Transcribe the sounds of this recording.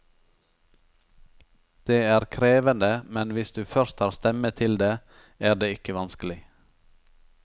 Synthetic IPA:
d̪̥eːæːɾkʰɾeːʋənd̪əmɛnʋɪsd̪ʉːfœɾst̪hɑːɾst̪ɛmət̪ʰɪld̪eː | æːɖeːɪkəʋɑnskəl̩ɪ

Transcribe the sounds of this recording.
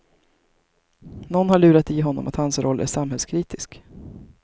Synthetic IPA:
nɔnːhaɭʉ̟ːɾat̪iːɦɔnːɔ̰mat̪hansɾɔlːʔæ̰ʂamɦɛlskʰɾiːt̪ɪsk

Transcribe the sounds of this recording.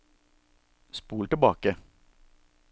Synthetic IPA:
spuːlʈ̪ɪbɑːkə

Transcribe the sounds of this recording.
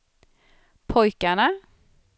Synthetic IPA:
pʰɔjkaɳa

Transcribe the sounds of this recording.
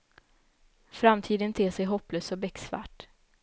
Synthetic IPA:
fɾamt̪ʰiːd̪ənt̪ʰeːsɛjɦɔpløːsɔbɛksva̰ʈ

